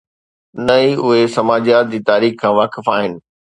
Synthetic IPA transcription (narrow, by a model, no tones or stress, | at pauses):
nɐiʊɦesɐmaːd͡ʑjaːt̪̚d͡ʑiːt̪aːɾiːxkʰãːʋaːkɪfaːɦɪnɪ̆